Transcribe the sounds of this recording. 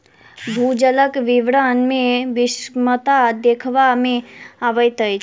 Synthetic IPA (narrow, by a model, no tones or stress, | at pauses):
bʱud͡ʒələkʋɪʋɾanmẽʋɪsmət̪ad̪ekʰʋamẽaʋəjt̪əjt͡ʃʰ